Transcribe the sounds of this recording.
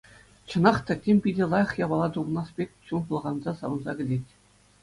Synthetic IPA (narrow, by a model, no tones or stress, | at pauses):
t͡ɕɤ̆nɑχt̪ɑtʲemʲpʲidʲĕlˠɑjɤ̆χjɑbɑlˠɑt̪unɑspʲekʲɕunpŭlˠʁɑnzɑsɑʋɤ̆nzɑ̰ɡʲɘ̆dʲetʲ